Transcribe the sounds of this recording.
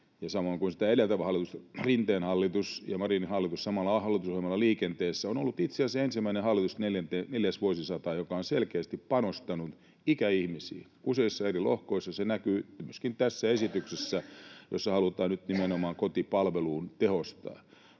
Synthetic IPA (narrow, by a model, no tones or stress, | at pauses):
jɑsɑmoiŋkunsi̥t̪æelelt̪æʋæhɑlːˑit̪ust̪rint̪eːnhɑlːit̪usjɑmɑrinihɑlːit̪ussɑmɑlːɑhɑlːˑit̪usohemɑlːɑliːkent̪eːsːæonolːut̪it̪seɑsensimːæinehɑlːit̪usneljænt̪eːneljæsʋuosisɑt̪ɑːjokɑonselkeːst̪ippɑnost̪ɑnu | ikæihmisḭː | useisːɑerilo̰hkoisːɑsenækyːmyøskint̪æsːæesit̪yksesːæjo̰sːɑhɑlut̪ɑːnnyt̪nimenomɑːŋkot̪ipɑlʋeluːnt̪ehost̪ɑ̰ː